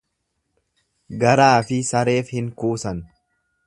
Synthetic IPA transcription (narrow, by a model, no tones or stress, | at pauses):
ɡɐɾaːfɪsɐɾe̞ːfhɪŋkuːsɐn